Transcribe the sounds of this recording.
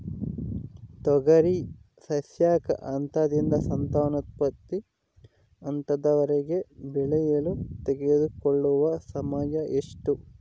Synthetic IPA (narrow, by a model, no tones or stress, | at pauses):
t̪ɔɡɐɾi | sɐsjaːkɐ̰ʔɐnt̪ad̪ind̪ɐsɐnt̪aːnɐt̪̚pɐt̪ːi | ɐnt̪ɐd̪ɐʋɐɾeɡe̞bɛɭɛjɐlut̪eɡed̪ukoɭːuʋɐsɐmaːjɐʔeʂʈu